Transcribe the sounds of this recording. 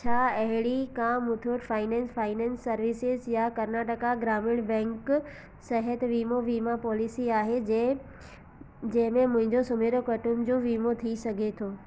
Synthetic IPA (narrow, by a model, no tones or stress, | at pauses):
t͡ɕʰaːɐɦɪɽikaːmʊt̪ʰoʈfʰaːɪnɛ̃ːnsfaːɪnɛ̃ːnsːɐɾʋɪsɪzjakɐɾnaːʈəkaɡɾaːmɪɽ̃bɛ̃ːŋk | sɐɦət̪ʋiːmoʋiːmapɔːlɪsiaːɦe | d͡ʑɐ̃ɦɪ̃mẽmʊ̃ɦɪ̃ɲd͡ʑosʊmeːɾokɐʈumd͡ʑoːʋiːmot̪ʰisɐɡʱet̪ʰoː